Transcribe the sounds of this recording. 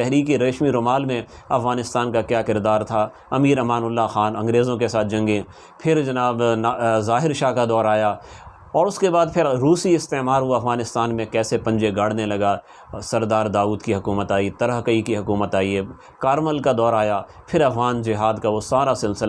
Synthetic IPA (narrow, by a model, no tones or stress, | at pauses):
t̪ɛɦɾiːkiɾɐːʃmiɾoːmaːlmẽɐfɣaːnɪst̪aːnkakjaːkɪɾd̪aːɾt̪ʰa | ɐmiːɾɐmaːnʊlːaxaːnɐ̃ŋɡɾeːzõkesaːt̪̚ʰd͡ʒɐ̃ŋɡẽ | pʰɪɾd͡ʒɐnaːbnzaːɦɪɾʃaːkad̪ɔːɾaːja | ɔːɾʊskebaːd̪pʰɪɾɾuːsiɪst̪eːmaːɾʋoɐfɣaːnɪst̪aːnmẽkɛːsepɐ̃ɲd͡ʒeɡaːɽ̤nelɐɡa | sɐɾd̪aːɾd̪aːuːd̪kiɦɐkuːmət̪aːit̪ɐɾəɦkəikiɦʊkuːmət̪aːie | kaːɾməlkad̪ɔːɾaːja | pʰɪɾɐfɣaːnd͡ʒɪɦaːd̪kaʋosaːɾasɪlsɪl